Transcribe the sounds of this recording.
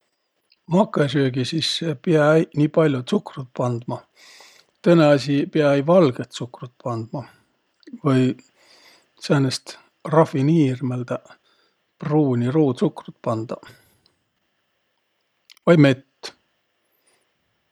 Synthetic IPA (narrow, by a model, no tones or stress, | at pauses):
mɑkːˑesøːɡisisːepiɑæjnʲiːpɑlʲjut̪sukrut̪̚pɑnd̪̥mɑ | t̪ɤne̞ɑsʲipeɑæjvɑlɡ̥et̪sukrut̪̚pɑnd̪̥mɑ | vɤj | senest̪ | rɑfiniːrmeld̪æ | pruːnʲiɾuːt̪sukrut̪pɑnd̪̥ɑ | vɑjme̞t̪ː